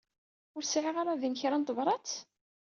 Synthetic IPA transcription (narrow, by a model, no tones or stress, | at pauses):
ʊɾsʕiʁaɾˤaðinçɾænt̪ˤvɾˤɑt͡s